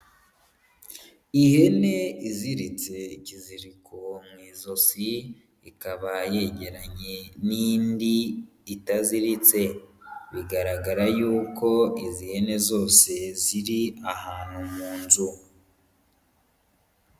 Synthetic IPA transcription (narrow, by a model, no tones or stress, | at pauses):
ihe̞ne̞iziɾit͡se̞ciziɾikʰomŋiːzo̞si | ikaβaje̞ɟe̞ɾaɲe̞niːndi | itaziɾit͡se̞βiɡaɾaɡaɾajuːko̞izihe̞ne̞zo̞ːse̞ziɾiahaːn̥humuːnzu